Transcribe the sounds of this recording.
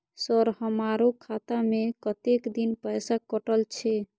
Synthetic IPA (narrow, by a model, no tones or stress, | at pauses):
səɾhəmaɾukʰat̪amekət̪ekd̪inpəjsakəʈəlt͡ʃʰɛ